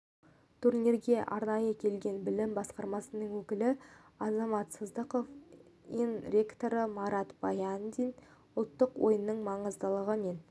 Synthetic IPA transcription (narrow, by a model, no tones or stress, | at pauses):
t̪ʰuɾnʲiɾɡʲe̞ʔɑɾnɑjəkʲʰe̞lɡʲe̞nbɪlɪmbɑsqɑɾmɑsənəɴwɵkʲɪlɪɑzɑmɑt̪səzd̪əqo̞f | inrʲe̞kt̪o̞ɾəmɑɾɑt̪bɑjand̪in | ʊlˠt̪ːəqwo̞̰jənːəɴmɑɴəzd̪əlˠəʁəmen